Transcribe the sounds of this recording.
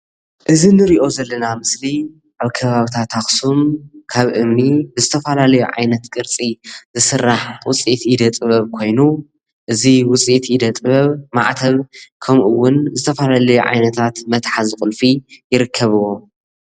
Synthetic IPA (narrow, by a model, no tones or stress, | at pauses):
ʔɨzinɨɾiʔo̞zɐlːɐnamɨsli | ʔaβkʰɐβaβit̪ʰat̪ʰaxsumkʰaβʔɨmnibɨzɨt̪ʰɐfɐlalɐjuʕa̰jnɐt̪kʼɨɾt͡sʼizɨsɨrːaħwʊt͡sʼit̪id̪ɐt̪ʼɨβɐβkʰo̞jnu | ʔɨziwʊt͡sʼit̪id̪ɐt̪ʼɨβɐβma̰ʕt̪ʰɐβkʰɐmʔuwːʊnzɨt̪ʰɐfɐlalɐjuʕa̰jnɐt̪ʰat̪mɐt̪ħazɨxʼʊlfijɪɾɨkʰːɐβɨwo